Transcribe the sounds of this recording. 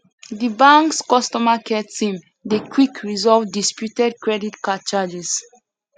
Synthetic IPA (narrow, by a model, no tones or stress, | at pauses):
dibãŋkskɔstɔmakʰɛtsĩm | dekʰwikʰɹizɔvdispjutɛd̚kɹɛditkat͡ʃad͡ʒɛs